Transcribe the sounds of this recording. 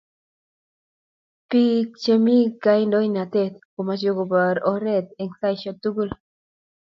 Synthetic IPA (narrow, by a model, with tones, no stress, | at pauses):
pi˦k̚t͡ʃe˧mi˦ka˧jnd̪o˦jna˨t̪e˦t̪̚ko˨ma˧t͡ʃjo˧ɡo˧ba˨ɾo˧ɾe˦t̪̚e˧ŋsa˧jʃo˧t̪u˦ɡu˦l